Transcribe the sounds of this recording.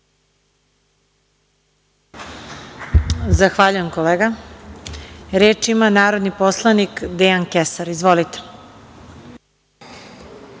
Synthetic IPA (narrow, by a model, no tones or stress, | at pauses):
zaxʋaʎujemkoleːɡa | ɾeːt͡ʃimanaːɾo̞d̪niposlˠanikd̪eankesaɾizʋolit̪e̥